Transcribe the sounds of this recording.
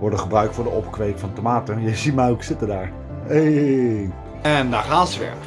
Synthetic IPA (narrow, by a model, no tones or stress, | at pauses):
ʋɔɹdəχəbrœɥktfʊːɹdəɔpkʋejkfɑntomaːtəjəzitmaːuksɪtədaːɹ | e | ɛndaχaːsʋɛ̰ɹ